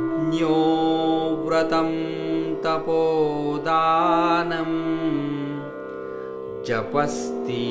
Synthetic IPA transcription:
njoːʋɾɐt̪ɐmt̪ɐpoːd̪aːnɐm | d͡ʒɐpɐst̪i

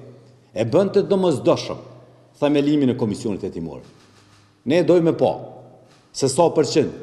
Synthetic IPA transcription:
ɛbənt̪əd̪ɔməzd̪ɔʃə̰m | θɛmɛliminɛkɔmisjɔnit̪ɛt̪imɔ̰ɾ | nɛɛd̪ɔjmɛpɑ̰ | sɛsapəɾt͡ɕin

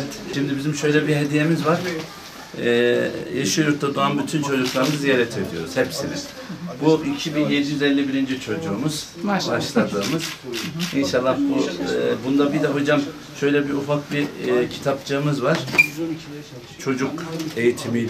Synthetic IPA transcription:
t̪ʃimd̪ibizimʃø̞jlʲɛbiɦe̞d̪ije̞mizvaɾ̥ | jaʃɯjooɾt̪ʰad̪uanbyt̪ʰynt͡ʃʰo̞d͡ʒuklˠaɾɯmɯzjeɾɛt̪ʰed̪ijo̞ɾuz̥hɛpsiniz̥ | buʔicʰibinjed̪ijyzɛlʲːibiɾind͡ʒit͡ʃʰo̞d͡ʒuːmuz̥ | aʃlˠad̪ɯːmɯz̥inʃalˠːahbubund̪abid̪ɛɦo̞d͡ʒam | ʃø̞jlʲɛbiufak̚bicʰi̥t̪ʰapt͡ʃʰɯːmɯzvaɾ̥ | t͡ʃʰo̞d͡ʒuke̞jit̪ʰimi

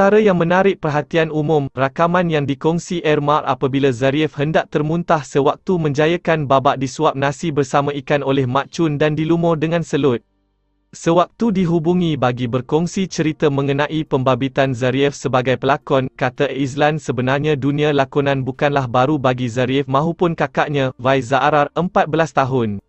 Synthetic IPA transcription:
t̪aɾəjaŋmə̃naɾɪʔ̚pərɦat̪ianumʊ̃mrakamãnjaŋdikɔŋsiʔɛrmarʔa̰pabilazaɾiɛfhəndaʔ̚t̪ərmũnt̪ahsəwak̚t̪umə̃ɲd͡ʒajəkanbabaʔdisuap̚nãsibərsamãikanolɛhmãʔt͡ʃʊndandilumɔdəŋãnsəlʊt̪̚ | səwak̚t̪udiɦubuŋĩbaɡibərkɔŋsit͡ʃəɾit̪amə̃ŋənãʔipəmbabit̪anzaɾiɛfsəbaɡajpəlakɔnkat̪ais̬landsəbənarɲãdunĩãlakɔnãnbukanlahbaɾubaɡizaɾiɛfmãɦupʊnkakaʔɲãvajzaʔɾarəmpat̪̚bəlast̪aɦʊn

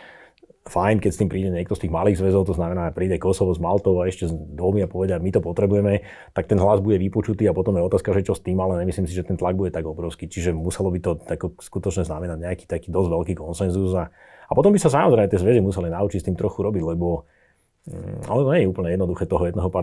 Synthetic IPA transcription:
fajnkɛcst̪iːmpɾiːɟɛɲɪɛk̚t̪ɔst̪iːɣmaliːɣzʋɛzɔʊt̪ɔznamɛnaːpɾiːɟaɪkɔsɔʋɔzmalt̪ɔʊaɛʃcɛzd̪ʋɔmiapɔʋɛɟamit̪ɔpɔt̪ɾɛbujɛmɛ | t̪ak̚t̪ɛnɦlazbuɟɛʋipɔt͡ʃut̪iːapɔt̪ɔmjɛɔt̪aːskaʒɛt͡ʃɔst̪iːmalɛɲɛmisliːmsiʒɛt̪ɛnt̪laɡ̚buɟɛt̪aɡɔbɾɔʊskit͡ʃiʒɛmusɛlɔbit̪ɔt̪akɔskut̪ɔt͡ʃɲɛznamɛnaɟɲɛaki̥ːt̪akiːd̪ɔzʋɛlkiːkɔnsɛnzuza | apɔt̪ɔmbisas̬amɔzɾɛɪmɛt̪ɪɛzʋɛzimusɛlinaut͡ʃicst̪iːmt̪ɾɔxuɾɔbiɟlɛbɔ | ɔ̰nɔt̪ɔɲɛɲɛuːpl̩ɲɛjɛd̪nɔd̪uxɛːt̪ɔɦɔjɛd̪nɛːɦɔpa

